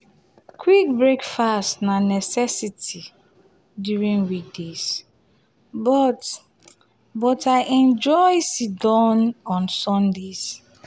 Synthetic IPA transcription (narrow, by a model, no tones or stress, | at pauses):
kʰwik̚bɹekfastnanɛsɛsitʰi | djuɹĩŋwik̚dez̥ | bɔt | bɔtʰaɪʔɛ̃nd͡ʒɔjsidɔ̃nɔ̃nsɔ̃ndez̥